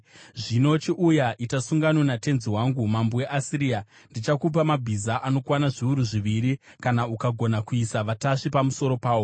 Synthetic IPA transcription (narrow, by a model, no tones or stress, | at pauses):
ʐino̞t͡ʃiʔujaʔitasuŋɡanonate̞nziwaŋɡumamboe̞ʔasiɾija | ndit͡ʃakup̬amabʱizaʔano̞kwanaʐiuɾuʐiʋiɾi | kanaukaɡʱo̞nakuisaʋataʂipamuso̞ɾo̞paːwo̞